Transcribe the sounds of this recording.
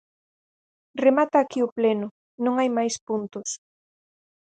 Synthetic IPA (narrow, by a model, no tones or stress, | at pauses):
remat̪aːkiʊplenʊ | nõŋajmajspunt̪ʊs